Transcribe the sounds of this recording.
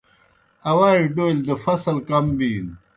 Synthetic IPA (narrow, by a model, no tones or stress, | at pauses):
ɐwaːiɖoːild̪əfɐsɐlkɐmbiːn